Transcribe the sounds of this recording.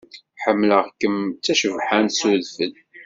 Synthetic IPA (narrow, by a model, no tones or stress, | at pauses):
ħəmːləʁkəmt͡sːæʃəvħansuðfən